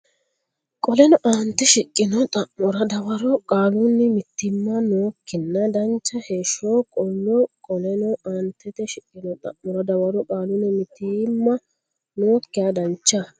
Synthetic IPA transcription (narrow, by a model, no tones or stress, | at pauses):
kʼɔlɛnɔʔaːnt̪ːɛʃɪkʼːɪnɔt̪ʼɐːɔɾɐd̪ɐwɐɾɔkʼaːlunːɛmɪt̪ːɪmːɐnoːkːɪnːɐd̪ɐnt͡ʃːɐheːʃːoːkʼɔlːɔkʼɔlɛnɔʔaːnt̪ːɛt̪ɛʃɪkʼːɪnɔt̪ʼɐ̰ʔːɔɾɐd̪ɐwɐɾɔkʼaːlʊnːɛmɪt̪ːimːɐ | noːkːɪjɐd̪ɐnt͡ʃːɐ